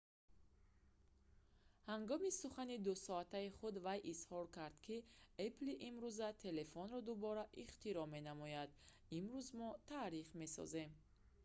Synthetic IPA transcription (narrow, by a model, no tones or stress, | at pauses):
haŋɡɔmisuχanid̪usɔat̪ʰaiχud̪vajʔishɔɾkʰaɾd̪̥kʰiepliʔimɾuzat̪ʰe̞le̞fɔnɾɔd̪ubɔɾaʔiχt̪iɾɔme̞namɔjad̪ | imɾuzmɔt̪ʰaɾiχme̞sɔ̰ze̞m